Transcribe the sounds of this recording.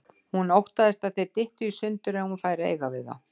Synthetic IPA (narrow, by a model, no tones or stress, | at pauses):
hunowht̪aðɪst̪aðθejɾt̪ɪht̪ʏisʏnt̪ʏɾɛhunfaːjɾaḛːjɣavɪðθa̰